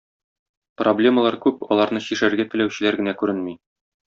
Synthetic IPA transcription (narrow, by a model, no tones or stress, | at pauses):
problʲe̞məlˠɑɾkʉpɒ̰lˠɑɾnɤɕiʃæɾɡæt̪ɘ̆læwɕɘ̆læɾɡɘ̆nækʉɾɘnmi